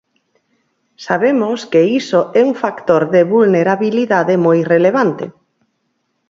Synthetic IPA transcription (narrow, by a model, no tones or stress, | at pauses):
saβemoskeisoʔɛuŋfakt̪oɾðeβulneɾaβiliðaðemojreleβ̞ant̪ɪ̰